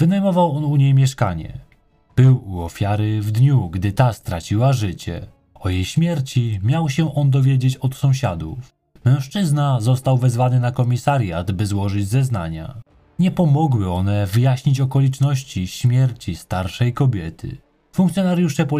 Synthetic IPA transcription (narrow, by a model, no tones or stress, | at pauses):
v̥ɘnajmɔvawɔnuɲejmʲjɛʂka̰ɲɛ̰ | b̥ɘwuɔfʲjaɾɘvd̪ɲuɡd̪ɘt̪ast̪ɾat͡ɕiwaʐɘt͡ɕɛ̰ | ɔjejɕmʲjɛɾt͡ɕimʲjawɕɛʔɔnd̪ɔvʲjeɛd͡ʑet͡ɕɔt̪sɔ̃w̃ɕad̪ṵf | mɛ̃w̃ʂt͡ʂɘznazɔst̪awvɛzvanɘnakɔmʲisaɾjad̪bɘzwɔʐɘd͡ʑzɛzna̰ɲa̰ | ɲɛpɔmɔɡwɘɔn̪ɛvɘjaɕɲit͡ɕɔkɔlʲit͡ʂnɔɕt͡ɕiɕmʲjɛɾt͡ɕist̪aɾʂɛjkɔbʲjɛt̪ʰɘ̰ | fuŋkt̪sʲjɔnaɾjuʂɛpɔ